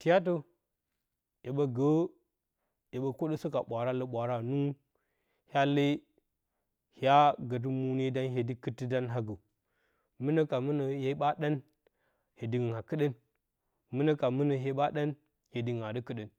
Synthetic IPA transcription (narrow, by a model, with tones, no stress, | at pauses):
ti˨ja˦t̬o˦ | je˨ɓə˦ɡə˦ | je˨ɓə˨ko˦ɗə˦sə˦ka˨ɓʷa˨ɾa˦lə˦ɓʷa˨ɾa˦nu˦ | hʲa˦lə˦ | hʲa˦ɡə˨t̬u˦mu˦ne˦da˦nɦe˨di˦kɨ˦ti˦da˦nɦa˦ɡə˨ | mɨ˦nə˦ka˨mɨ˦nə˨je˦ɓa˦ɗa˦n | he˨di˨ɡɨ˨a˨kɨ˦ɗə˦n | mɨ˦nə˦ka˨mɨ˦nə˨ɦe˦ɓa˦ɗa˦n | he˨di˨ɡa˨də˦kɨ˦ɗə˨n